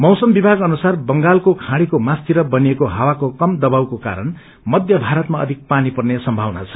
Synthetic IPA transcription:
mʌwsʌmbibʱaɡʌnusarbʌŋɡalkokʰãɽikomast̪iɾʌbʌniekoɦawakokʌmd̪ʌbawkoka̰ɾʌn | mʌd̪ʱjʌbʱaɾʌt̪maʌ̰d̪ʱik̚panipʌrnesʌmbʱawna̰t͡sʰʌ̥

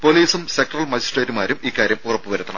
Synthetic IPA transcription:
poliːsumsek̚ʈrɐlmɐd͡ʑisʈreːtːumaːɾumiːkːaːɾjɐmurɐpːɨʋɐɾut̪ːɐɳɐ̰m

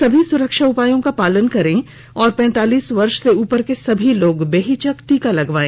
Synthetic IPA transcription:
sɐbʱisʊɾəkʃaʊpaːjõkapaːlənkɐɾẽ | ɔːɾpɛ̃ːnt̪aːliːsʋɐɾʃseuːpəɾkesɐbʱiloːɡbeːɦit͡ʃəkʈikalɐɡʋaːẽː

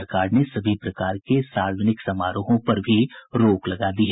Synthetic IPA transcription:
ɾkaːɾnesɐbʱipɾɐkaːɾkesaːɾəd͡ʒənɪksɐmaːɾoɦõpɐɾbʱiɾoːklɐɡad̪iɦɛː

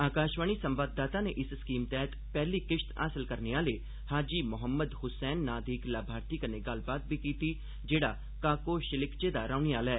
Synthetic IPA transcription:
aːkaːʃʋaːniːsəmʋaːd̪ːaːt̪aːnḛːʔɪsskiːmt̪ɛːət̪pɛːliːkɪʃt̪a̰ːsəlkəɾneːãːləiː | haːd͡ʒiːmʊɦəmːəd̪ɦʊsɛːnːaːd̪ʱiːklaːbʱaːɾt̪iːkəneːɡəlbaːt̪̚biːkiːt̪iː | d͡ʒeːɽaː | kaːkoːʃɪlɪkt͡ʃeːd̪aːɾaːʊniːaːlɛː

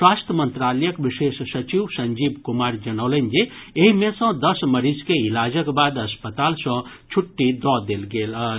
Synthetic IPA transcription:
swast̪ʰəmənt̪ɾaləjəkbisesːət͡ʃiwsənd͡ʒibkumaɾd͡ʒənəwlənd͡ʒe | eɦimesə̃d̪ʌsməɾiskeilad͡ʒəkbad̪əspət̪alsʌ̃ | t͡ʃʰuʈːid̪ɔd̪elɡelə

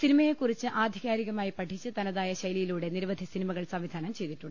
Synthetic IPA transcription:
sinimɐjekːurit͡ɕːɨʔaːd̪ʱiɣaːɾiɣɐmaːjipɐʈʰːit͡ɕːɨt̪ɐnɐðaːjɐɕɐjlijiluːɽe̞niɾɐʋɐd̪ʱisinimɐɣɐɭsɐmʋid̪ʱaːnɐmt͡ɕe̞jt̪iʈːuɳɖɨ

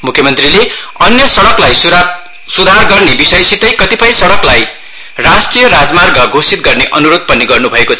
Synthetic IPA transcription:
mukʰːjʌmʌnt̪rileʌnjʌsʌɽʌklaj | sud̪ʱarɡʌrnebisʌjsit̪ʌjkʌt̪ipʰʌj̃sʌɽʌklaj | rasʈrijʌɾad͡zmarɡʌɡʱosit̪̚ɡʌrneʔʌnuɾod̪̚pʌniɡʌrnubʱʌekot͡sʰʌ

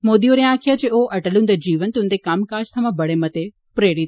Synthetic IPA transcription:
moːd̪ioɾjãːkʰijad͡ʑeoːɐʈəlũnd̪ɐd͡ʑiːʋənt̪ʊ̃nd̪ekaːmkaːd͡ʒt̪ʰɐʋãbɐɽemɐt̪e | pɾeːɽit̪

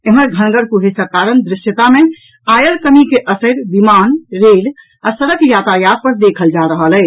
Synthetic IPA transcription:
eməɾɡʱənɡəɾkuɦesəkaɾənd̪ɾɪʃjət̪ame | ajəlkəmikeʔəsəɾbimanɾel | asəɾəkjat̪ajad̪̚pəɾd̪ekʰəld͡ʒaɾəɦəlɛː

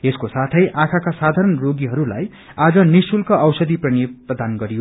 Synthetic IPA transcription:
eskosat̪ʰʌjʔakʰakasad̪ʱaɾʌnroɡiɦʌɾula̰j | ad͡zʌnisulkʌʌwsʌd̪ʱiprʌneprʌd̪ʱanɡʌɾijo

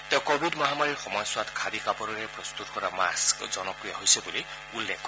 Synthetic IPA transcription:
teʊ̃kobʱidmɔɦamaɹiɹxɔmɔjswatkʰadikapɔɾɔɹɛpɹɔst̪utkɔɹama̰skzɔnɔkɹijaɦojsɛbuli | ulːekː

